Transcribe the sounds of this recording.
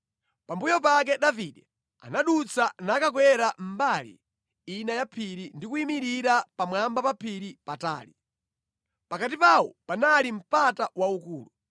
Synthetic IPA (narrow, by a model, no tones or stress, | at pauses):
pambujɔp̬ak̬ɛɗaviɗɛ | a̰naɗut͡sʰanaːkakwɛɾam̩balḭ | inajapʰiɾindikuimiɾiɾapamwambapapʰiɾipata̰ːli | pakat̬ipawɔ̰panalim̩patawaukuːlu